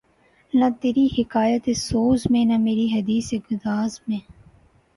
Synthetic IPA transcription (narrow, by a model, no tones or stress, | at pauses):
nɐt̪eːɾihɪkaːjət̪esoːzmẽːnɐmeːɾiɦɐd̪iːseɡʊd̪aːzmẽː